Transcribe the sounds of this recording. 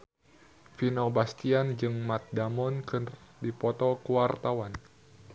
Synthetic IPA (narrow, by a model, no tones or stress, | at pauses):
finobast̪iand͡ʒɨŋmat̪̚damɔnkɨrdipɔt̪ɔkuwart̪awan